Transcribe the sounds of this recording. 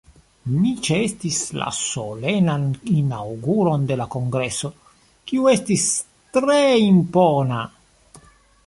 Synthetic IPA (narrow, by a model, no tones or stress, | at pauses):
mit͡ʃeest̪isla̰solenaninawɡuɾond̪elakoŋɡɾesːo | kiuest̪is | t̪ɾeimpona